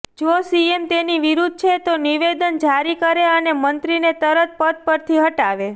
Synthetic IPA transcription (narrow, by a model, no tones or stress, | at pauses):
d͡ʒosiemt̪eniʋiɾud̪̚ʱt͡ʃʰet̪oniʋed̪ənd͡ʒaɾikəɾeənemənt̪ɾinet̪əɾət̪̚pəd̪̚pəɾt̪ʰiɦəʈaʋe